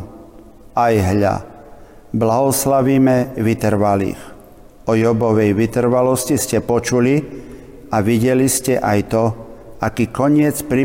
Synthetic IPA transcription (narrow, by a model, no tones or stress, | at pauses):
ajɦʎa̰ | blaɦɔslaʋiːmɛʋit̪r̩ʋalḭːx | ɔjɔbɔʋɛjʋit̪r̩ʋalɔsciscɛpɔt͡ʃuli | aʋiɟɛliscɛʔajt̪ɔakiːkɔɲɪɛt͡spɾi